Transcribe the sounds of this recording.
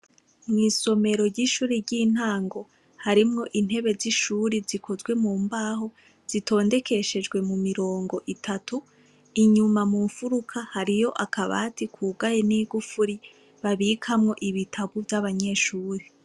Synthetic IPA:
mŋiːso̞me̞ɾo̞ɾɟiːʃuːɾiɾɟiːn̥aːŋɡo̞ | haɾimŋo̞ʔin̥he̞βe̞ziʃuːɾizikʰo̞zɡwe̞muːmbaːɦo̞ | z̥itʰo̞ːnde̞kʰe̞ʃe̞d͡ʒɡwe̞mumiɾo̞ːŋɡo̞ʔitʰatu | iɲumamuɱfuɾukʰahaɾijo̞ʔakʰaβa̰ːtikʰuːɡaje̞niːɡufuɾi | βaβiːkʰamŋo̞ʔiβitʰaβuvjaβaɲe̞ːʃuːɾe

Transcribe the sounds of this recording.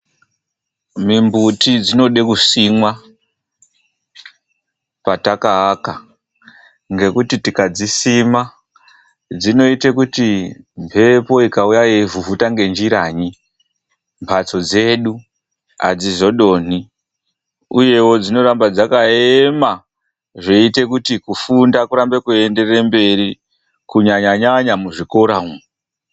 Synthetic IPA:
mimbutid͡zino̞ɗekusimwa | patakaːka | ŋɡe̞kutitikad͡zisima | d͡zino̞ite̞kutimpʰe̞po̞ikaujajevuvutaŋɡe̞nd͡ʒiɾaːɲi | mpʰat͡so̞d͡ze̞ːɗu | a̰d͡zizo̞ɗo̞ːni | uje̞wo̞d͡zino̞ɾambad͡zakaema | ʐeite̞kutikufundakuɾambe̞kue̞nde̞rembe̞ri | kuɲaɲaɲaɲamuʐiko̞ɾaum

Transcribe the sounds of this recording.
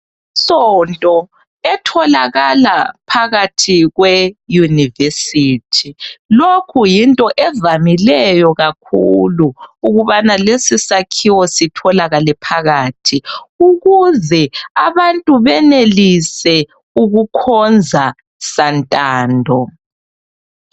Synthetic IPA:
sɔntʼɔ | ɛtʰɔlaɣalapʰaɣatʰiɣwɛjunivesitʰilokʰujintʼɔʔɛvamilɛjɔɣak̚ʰuluːɣuβanalesisakʰiwɔsitʰɔlaɣalɛpʰaɣaːtʰiuɣuzɛaβantʼuβɛnelisɛ | uɣukʰɔnd͡zʱa | santʼaːndʱɔ

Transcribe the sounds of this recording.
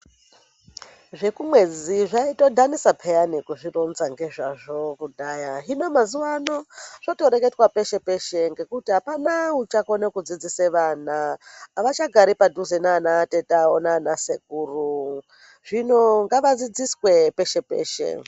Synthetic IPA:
ʐe̞kumwe̞d͡ziʐaitodʱanisapʰejanikuʐironzaŋɡe̞ʐaʐo̞kudaːjaɦino̞mazuwano̞ʐ̥oto̞ɾe̞ke̞twape̞ʃe̞pe̞ʃeŋɡe̞kutiɦapanaut͡ʃakonekud͡zid͡ziseʋanaːʋat͡ʃaɡʱaɾipadʱuzenaːnate̞taonaːnaseɡʱuːru | ʐ̥ino̞ŋɡaʋad͡zid͡ziswe̞pe̞ʃe̞pḛːʃḛ

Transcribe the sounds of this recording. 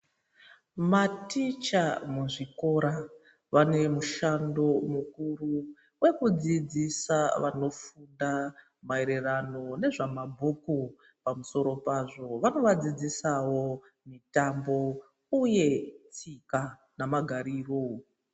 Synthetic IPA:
matit͡ʃamuʐiko̞ɾa | ʋane̞muʃando̞mukuru | we̞kud͡zid͡zisaʋano̞funda | mae̞ɾerano̞ne̞ʐamabʱoko | pamuso̞ɾo̞paʐo̞ʋano̞ʋad͡zid͡zisawo̞ | mitambo̞ | uje̞t͡sika | namaɡʱaɾiːro

